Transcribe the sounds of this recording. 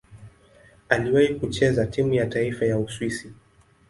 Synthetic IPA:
aliwahikut͡ʃɛzatimujataifajauswisi

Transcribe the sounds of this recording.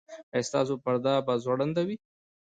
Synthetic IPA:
ajst̪ɑ̰s̬opaɾd̪ɑbazwaɽand̪awi

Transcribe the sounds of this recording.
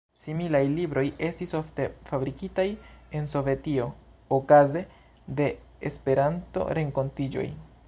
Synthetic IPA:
similajlibɾo̞je̞stisofte̞fabɾikitaje̞nso̞ve̞tio̞okaze̞ | de̞ | espe̞ɾanto̞̰ɾe̞ŋko̞ntid͡ʒo̞̰j

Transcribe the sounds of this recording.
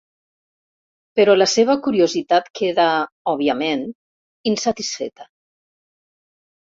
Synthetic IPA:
pəɾɔləseβ̞əkuɾiozit̪at̪kʰeða | ɔβiəmen | insat̪isfḛt̪ə

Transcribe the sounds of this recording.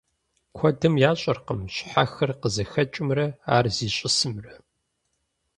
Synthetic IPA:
kʷʰɔdɨmjaːɕʼɐrqəmɕħaxɐrqəzɐxɐt͡ʃʼɪmrɐaːrziːɕʼɪsɨmrɐ

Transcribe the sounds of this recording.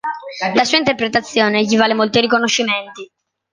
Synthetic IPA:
lasuːaint̪erpɾet̪at̪sːjɔːneʎivaːlemolt̪irikonoʃːiment̪i

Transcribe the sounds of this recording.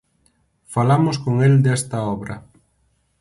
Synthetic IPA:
falamʊskoŋeld̪ɛst̪ɐɔβɾɐ

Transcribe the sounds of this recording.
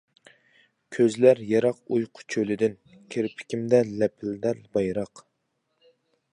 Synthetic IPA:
kʲʰøzlæɾjɛɾɑqujqʰʊ̥t͡ʃʰølɪd̪ɪn | kʲʰeɾpʰɪ̥kʲimd̪ɛlɛpʰɪld̪æɾbɑjɾɑq

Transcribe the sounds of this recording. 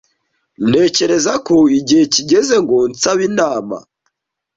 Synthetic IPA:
ne̞ːce̞ɾe̞zakoiɟiheciɟe̞ze̞ŋɡont͡saβinaːma̰

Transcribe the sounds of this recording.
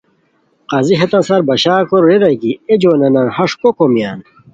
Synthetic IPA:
qaːziɦet̪ɐnsɐɾbɐɕaːkoɾɾeɾɐɡied͡ʑonɐnɐnhɐʂkokomijaːn

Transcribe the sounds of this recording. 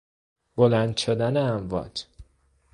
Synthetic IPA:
b̥olænd̪ʃod̪æneæmvɒ̰ːd͡ʒ

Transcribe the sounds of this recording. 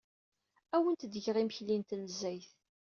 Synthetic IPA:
æwənt̪d̪ʝʁiməçlint̪nəzːæjθ

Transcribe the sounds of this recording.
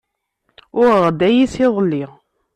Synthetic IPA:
ʊɾʁd̪æjisiðˤlːiʁ

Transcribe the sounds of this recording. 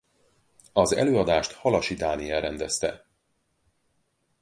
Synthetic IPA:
ɒzɛ̰løːɒd̪aːʃt̪hɒlɒʃid̪aːniɛɾɛnd̪ɛst̪ɛ

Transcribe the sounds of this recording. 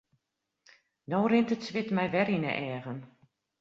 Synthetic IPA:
noːrɪntətsʋɪtmɛjʋɛɾinə̰ʔɛːɣən

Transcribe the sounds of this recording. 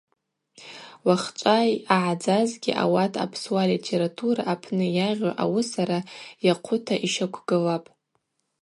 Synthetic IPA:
waχt͡ʃʷʼajaʕad͡zazɡʲiʔa̰watʰa̰pʰswalitʰe̞ɾatʰuɾaʔːpʰnɨjaʁʲʷaʔa̰wɨsaɾajaqʷʰʊtʰaʔiʃakʷʰɡɨlapʼ

